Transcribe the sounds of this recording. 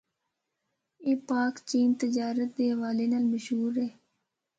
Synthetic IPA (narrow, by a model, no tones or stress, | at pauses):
eːpaːkt͡ʃiːnt̪ɪd͡ʒaːɾət̪̚d̪eːɦɐʋaːlenaːlməʃɦuːɾeː